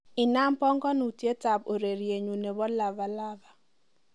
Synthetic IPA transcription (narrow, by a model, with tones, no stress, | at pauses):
ɪ˨na˦mpɔ˦ŋɡɔ˦nu˨tje˦ta˨po˨ɾe˨ɾje˨ɲu˨ne˨bɔ˦la˨va˨la˦ba˨